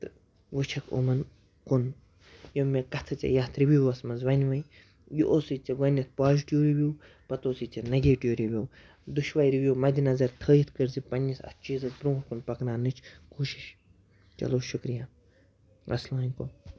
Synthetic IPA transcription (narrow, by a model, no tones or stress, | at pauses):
t̪ɨ | ʋut͡ʃʰɐko̰mɐn | kun | jomekɐt̪ʰɐt͡sɐ̰jaːt̪ʰɾibʲiːɐsmɐzʋɐnʲʋɐj | juʔoːsit͡sɐɡɐnʲːɐt̪̚ʰpaːziʈjuːɾibʲjuː | pɐt̪oːsit͡sɐnɐɡeːʈiːɾiʋʲjow | d̪uʃʋaːjɾiʋjoːmɐd̪ʲinɐzɐɾt̪ʰəːjit̪ʰkɨɾzipɐnʲːisɐ̰st͡ʃiːzɐt̪bɾõːɾkunpɐknaːnɨt͡ʃʰkuːʃiʃ | t͡ʃɐ̰loːʃukɾijaː | ɐ̰slãːnʲkoː